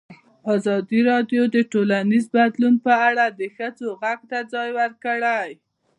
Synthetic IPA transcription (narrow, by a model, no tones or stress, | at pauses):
ɑzɑd̪iɾɑɖjod̪əʈolanizbad̪lunpəaɽad̪əxəd͡zoɣaɡ̚t̪ad͡zɑjwəɾkəɽaj